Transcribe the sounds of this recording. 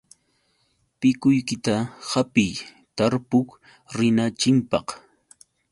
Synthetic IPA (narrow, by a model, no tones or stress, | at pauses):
pɪkʊjkɪt̪ahapɪj | t̪aɾpʊk | ɾɪnat͡ʃɪmpɑ̰χ